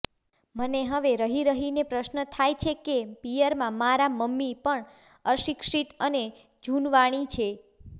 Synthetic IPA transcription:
məneɦəʋeɾəɦiɾəɦinepɾəʃnət̪ʰajt͡ʃʰekepijəɾmãmaɾaməmːipəɳ | əʃikʃit̪əne | d͡ʒunʋaɽ̃it͡ʃʰe

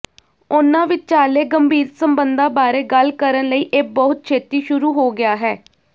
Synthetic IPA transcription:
ʊnãːʋɪt͡ʃt͡ʃaːleːɡəmbʱiːɾsəmbənd̪ãːbaːɾeːɡəlkəɾənləiːʔek̚bɔːʊt̪̚t͡ʃʰeːt̪iːʃʊɾuːɦoːɡɪaːɦɛː

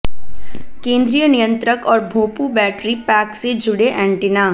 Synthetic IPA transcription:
kẽːnd̪ɾijənijə̃nt̪ɾəkɔːɾbʱoːpubɛːʈɾipɛːksed͡ʒʊɽeʔɛ̃ːɳʈɪnaː

